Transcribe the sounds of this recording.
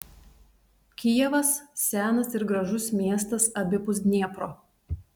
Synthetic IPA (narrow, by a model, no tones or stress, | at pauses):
kʲijɛʋɐssʲæːnɐsɪɾɡɾɐʒʊsmʲiɛst̪ɐsɐbʲɪpʊzʲd̪ʲnʲiɛpɾoː